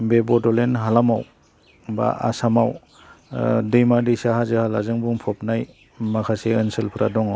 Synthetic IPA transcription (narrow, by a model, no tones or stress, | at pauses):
bebɔdɔlenɦalamaw | ba̰a̰samaw | dɯjmadijsaɦazɯhalazɯŋbuŋpʰɔpnaj | makʰaseɯnsɯlpʰɯɾʔa̰dɔŋaw